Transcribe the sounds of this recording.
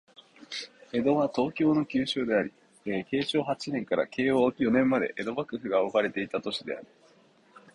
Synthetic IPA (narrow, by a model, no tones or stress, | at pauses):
e̞d̪o̞βat̪o̞ːkʲo̞ːno̞kʲɨːɕoːd̪e̞aɾʲi | eke̞ːɕo̞ːɦat͡ɕinẽ̞ŋkaɾa̰kʰe̞ːoːkʲijo̞nẽ̞mːad̪e̞̰ʔe̞d̪o̞bakɯ̟ɸɯ̟ɡaokaɾe̞t̪e̞it̪at̪o̞ɕid̪e̞a̰ɾʲi̟